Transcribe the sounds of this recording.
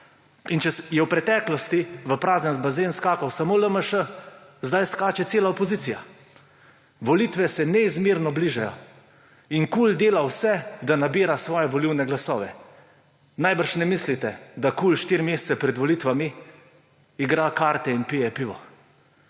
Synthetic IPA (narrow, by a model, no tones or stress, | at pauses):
int͡ʃɛjɛwpɾɛt̪ɛːklɔst̪iʋəpɾaːznɛnzbazeːnskaːkawsamoːləməʃəzd̪ajskaːt͡ʃɛt̪seːlaɔpɔziːt̪sija | ʋɔlit̪ʋɛsɛnɛizmiɾnɔbliːʒajɔ̰ | inkuːld̪eːlawsɛd̪anabiːɾasʋɔːjɛʋɔliwnɛɡlasɔːʋɛ | najbəɾʃnɛmislit̪ɛd̪akuːlʃt̪iːɾmeːst̪sɛpɾɛd̪ʋɔlit̪ʋami | iɡɾakaːɾt̪ɛinpijɛpiːʋɔ̰